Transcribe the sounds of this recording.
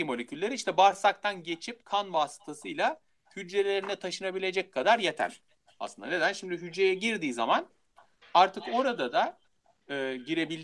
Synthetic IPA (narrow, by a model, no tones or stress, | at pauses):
imo̞lʲecʰylʲːeɾiiʃt̪ʰɛbaɾsak̚t̪ʰanɟe̞t͡ʃʰip̚kʰanbaːsɯ̥t̪ʰasɯjlˠa | hyd͡ʒːe̞lʲe̞ɾinɛt̪ʰaʃɯnabilʲe̞d͡ʒɛc̚kʰad̪aɾjet̪ʰæ̰ɾ̥ | a̰slɯnd̪ane̞d̪ænʃimd̪iɦyd͡ʒːe̞jɛɟiɾd̪iːza̰man | aɾt̪ʰɯko̞ɾad̪ad̪a | ɯːɟiɾe̞bilʲ